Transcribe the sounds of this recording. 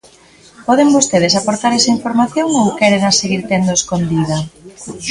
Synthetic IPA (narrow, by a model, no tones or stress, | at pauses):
pɔðeŋbost̪eð̞esapoɾt̪aɾɛsɐiɱfoɾmaθjoŋowkɛɾenaseɣiɾt̪end̪oeskond̪iðɐ